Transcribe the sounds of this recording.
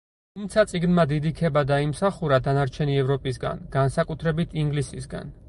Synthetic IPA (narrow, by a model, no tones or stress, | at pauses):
t̪ʰumt̪sʰat̪sʼiɡnmad̪id̪ikʰɛbad̪aimsaχuɾad̪anaɾt͡ʃʰɛniɛvɾɔpʼis̬ɡa̰nɡ̥ansakʼut̪ʰɾɛbit̪ʰiŋɡlisisɡa̰n